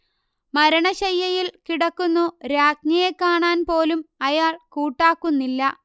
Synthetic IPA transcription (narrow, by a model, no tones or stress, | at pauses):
mɐɾɐɳɐɕɐjːɐjilkiɽɐkːunːuɾaːkɲɐjekːaːɳaːnpo̞ːlumɐjaːɭkuːʈːaːkːunːilːɐ